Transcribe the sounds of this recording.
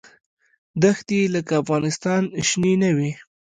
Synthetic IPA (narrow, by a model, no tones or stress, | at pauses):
d̪axt̪iləkaːfɣɑnɪst̪ɑnʃnenawi